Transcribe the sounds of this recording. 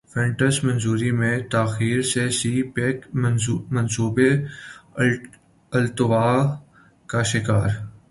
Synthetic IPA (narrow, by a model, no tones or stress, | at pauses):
fɛ̃ɳʈəsmɐ̃nzuːɾimẽt̪aːxiːɾsesiːpekmɐ̃nsuːbe | ɐlt̪ʊʋaː | kaʃɪkaːɾ